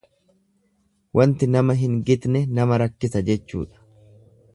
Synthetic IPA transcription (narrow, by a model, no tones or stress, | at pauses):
wɐnt̪ɪnɐmɐɦɪŋɡɪd̪nɛnɐmɐɾɐkːɪsɐd͡ʒɛt͡ʃːṵːᶑɐ̥